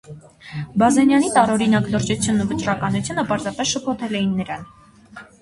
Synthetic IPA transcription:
bɑzɛnjɑnit̪ɑɾɔɾinɑkləɾt͡ʃut͡sʰjunːuvət͡ʃɾɑkɑnut͡sʰjunəpɑɾzɑpɛsʃəpʰɔt̪ʰɛlɛjinːəɾɑn

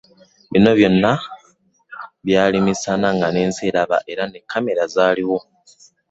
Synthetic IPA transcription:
βino̞βjo̞nːa | βjaːlimisanaŋɡane̞ːnzeːɾaβa̰ʔe̞ɾane̞kʰːame̞ɾazaːliwo̞

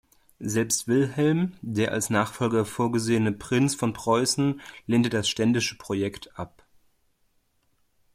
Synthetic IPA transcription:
zɛlpstv̥ɪlɦɛlmdeːɐʔa̰lsnaːχfɔlɡɐfoːɐɡəzeːənəpʁ̥ɪnsfɔnpʁ̥ɔʏsn̩leːntədasʃtɛndɪʃəpʁ̥ojɛktʰʔap

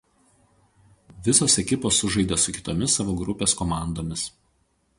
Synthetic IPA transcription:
ʋʲɪsoːsɛkʲɪpoːsːʊʒɐɪd̪ʲeːsʊkʲɪ̥t̪oːmʲɪsːɑʋoːɡɾʊpʲeːskɔmɑˑnd̪oːmʲɪs

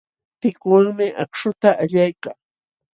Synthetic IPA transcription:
pɪkwaŋmɪʔɑ̰kʃʊt̪aʔaʎajkaŋ

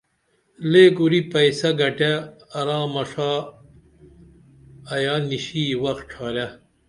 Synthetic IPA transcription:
leːɡuɾipɐjsɐɡɐʈeːɾaːmɐʂa | ɐjaːniɕiːwɐx̚ʈ͡ʂʰaːɾja

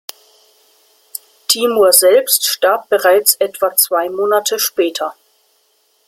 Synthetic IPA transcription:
tʰiːmoɐzɛlpstʃtaɐp̚b̥əʁaɪt͡sʔɛtv̥at͡sv̥aɪmoːnatʰəʃpɛːtʰɐ

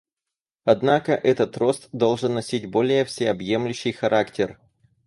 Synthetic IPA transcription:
ɐd̪nakəʔɛt̪ət̪ro̞st̪d̪o̞lˠʐɨnːɐsʲitʲbo̞lʲɪjəfsʲɪɐbjemlʲʉɕːɪjxɐɾʔaktʲɪr

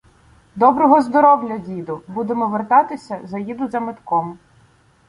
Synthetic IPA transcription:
d̪ɔbɾɔɦɔzd̪ɔɾɔwlʲɐdʲid̪ʊbud̪emɔʋert̪ɑt̪ɪsʲɐzɐjid̪ʊzɐmɪt̪kɔm

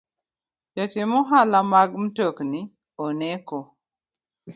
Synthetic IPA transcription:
jɔtɪmɔɦalamaɡm̩tokni | onɛkɔ

